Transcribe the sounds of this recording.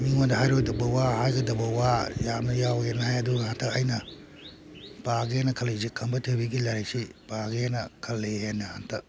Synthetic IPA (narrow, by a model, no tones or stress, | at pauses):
miŋodɐɦajɾojdɐbɐwahajɡɐdɐbɐwajanɐjawenɐɦajɐduhantʰɐkɐjnɐ | b̥aɡenɐkʰɐlezikʰɐmbɐtʰebiɡilaɾek̚sibaɡenɐkʰɐlːeenɐhantʰɐ